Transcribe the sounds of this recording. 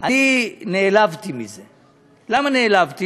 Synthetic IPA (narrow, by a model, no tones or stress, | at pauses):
anineːlavtimize | lamaneːlavti